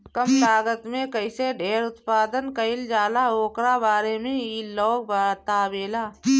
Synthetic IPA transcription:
kəmt̪aːɡət̪mẽkəɪseɖʱeːɾʊt̪paːd̪ənkəɪld͡ʒaːlaoːkɾabaːɾemẽiːloːɡbaːt̪abeːlaː

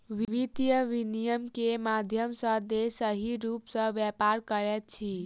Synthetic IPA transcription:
ʋiʋit̪ijəʋinijəmkemad̪ʱjəmsə̃d̪esəɦiɾupsə̃ʋjɛpaɾkəɾɛt̪̚t͡ʃʰi

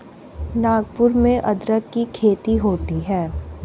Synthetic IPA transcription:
naːɡpʊɾmẽʔɐd̪ɾəkːikʰeːt̪iɦoːt̪iɦɛː

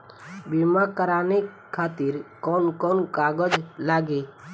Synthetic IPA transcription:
bimakəɾaːnik | kʰːaːt̪iɾkɔnkɔnkaːɡəd͡ʒlaːɡeː

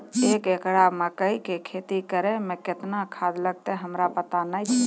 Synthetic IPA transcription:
ekekɽaməkəjkekʰet̪ikəɾemẽket̪nakʰad̪ləɡ̚t̪eɦəmɾapət̪anəjt͡ʃʰɛ

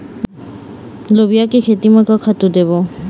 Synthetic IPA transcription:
lobijakekʰetimakɔkʰatudebɔ

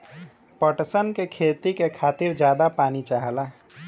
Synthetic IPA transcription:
pəʈsənkekʰet̪ikekʰat̪iɾd͡ʒjad̪apanit͡ʃaɦəlaɦ

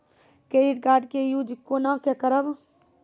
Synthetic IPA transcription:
keːɾiʈ̚ɡaːɾɖkejud͡ʒikːoːnãkekəɾəb

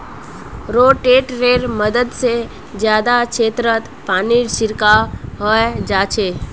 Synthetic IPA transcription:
ɾoːʈeːʈɾeːɾməd̪əd̪se | d͡ʒjaːd̪akʃʰeːt̪ɾət̪ | paːniɾsɪɾkaɦəed͡ʒaːt͡ʃʰeː

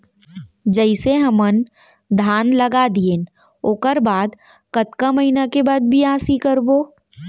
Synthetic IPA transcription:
d͡ʒəɪseɦɐmən | d̪ʱaːnlɐɡad̪iẽːn | oːkəɾbaːd̪ | kət̪kaməinakebaːd̪̚bʱiãːsikəɾboː

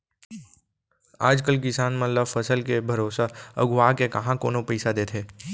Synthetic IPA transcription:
aːd͡ʒkəlkɪsaːnmələfəsəlkebʱɐɾoːsaɐ̰ɡʋaːkekɐɦãkoːnõpɛɪsad̪eːt̪ʰeː

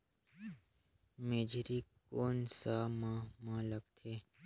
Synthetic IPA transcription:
meːd͡ʒɾikoːnsamãmãləkt̪ʰe

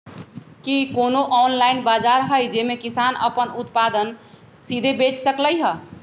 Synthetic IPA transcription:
kikonoʔɔnlainbad͡ʒaɾɦəjd͡ʒemekisanə̰pənut̪pad̪ən | sid̪ʱebet͡ʃsəkləjɦə

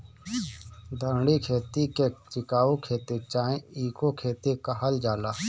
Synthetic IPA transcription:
d̪ʱəɾɳikʰeːt̪iket͡ʃɪkaːokʰeːt̪et͡ʃaːẽiːkokʰeːt̪ekaɦəld͡ʒaːlaː

